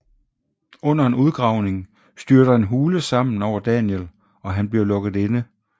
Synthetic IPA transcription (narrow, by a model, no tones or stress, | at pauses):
ɔ̽n̰ɐe̝nuðˠɡ̥ʁɑ̈ʊne̝ŋ | sd̥yɐɾɐe̝nɦuːləsɑ̈m̰n̩ɒʊɐd̥ɛnjel | ɒ̽ɦænb̥liɐlɔ̽ɡ̥ð̞̩ˠe̝nə